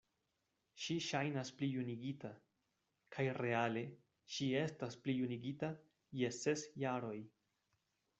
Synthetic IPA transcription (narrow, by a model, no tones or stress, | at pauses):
ʃiʃajnasplijuniɡita | kʰajɾe̞ale̞ | ʃie̞stasplijuniɡita | je̞se̞sjaɾo̞j